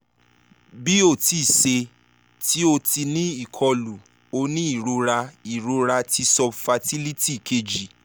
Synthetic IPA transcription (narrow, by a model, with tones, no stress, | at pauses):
bi˦o˦˨ti˨se˧ | ti˦o˧ti˧nĩ˦i˦˨kʰɔ˧lu˨ | o˧nĩ˦i˦˨ɾo˧ɾa˧i˨ɾo˧ɾa˧ti˧sɔ˧fa˧ti˦li˦ti˦˨kʰe˧d͡ʒi˨